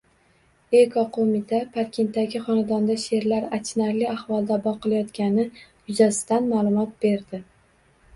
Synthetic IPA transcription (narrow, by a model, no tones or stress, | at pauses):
ekʰɒqʰomɪt̪ʰapʰaɾkʲʰe̞nt̪ːaɡʲɪχɒnad̪ɒnd̪aʃe̞ɾlaɾat͡ʃʰnaɾlɪahvɒlˠd̪abɒqʰɨlˠajɒt̪kʲanɪjʊzasɪ̥d̪anmaːlˠʊmɒt̪̚b̥e̞ɾd̪ɪ